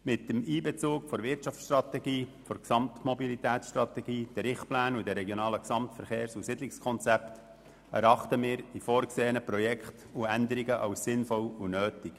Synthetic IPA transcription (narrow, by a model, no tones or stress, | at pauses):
mɪt̚ːəmiːbɛt͡suːkfɔɾʋɪɾtt͡ʃɑft͡ssʃtrɑt̪ɛɡiːfɔɾksɑmt̪mɔbilit̪ɛːtsʃtɾɑt̪ɛɡiːd̪̥ɛɾɪχtplæːnudɛɾɛɡjonɑːləksɑmtfəɾχeːɾsusɪdlɪkskʰɔnt͡sɛpt | æɾɑχtəmɪːɾd̥ifoːɾkseːənəpɾɔjɛkχt | uænd̪əɾiɡəʔɑʊsːɪnfɔlunøːtɪk